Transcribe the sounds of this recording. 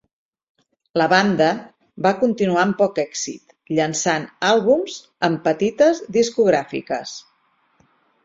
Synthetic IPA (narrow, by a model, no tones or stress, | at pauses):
ləβand̪ə | βakunt̪inuaəmpɔkɛksḭt̪ | ʎənsanalˠβumz̥ | əmpət̪it̪əzðiskuɣɾafḭkəs